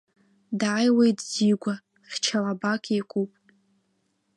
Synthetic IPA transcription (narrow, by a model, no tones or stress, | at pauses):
daʕajwejtʼziɡʷa | χʲt͡ʃʰalabakʰekʷʼupʼ